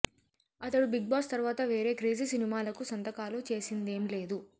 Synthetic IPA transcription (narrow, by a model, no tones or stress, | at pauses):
ɐt̪ɐɽubiɡ̚baːst̪ɐɾʋaːt̪ɐʋe̞ːɾe̞ːkɾeːd͡ʒisinimaːlɐkusɐnt̪ɐkaːlut͡ʃe̞ːsind̪e̞ːmile̞ːd̪u